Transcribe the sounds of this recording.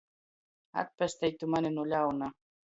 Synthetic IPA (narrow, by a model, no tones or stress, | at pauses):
a̰t̪̚pest̪ejt̪umanenolʲauna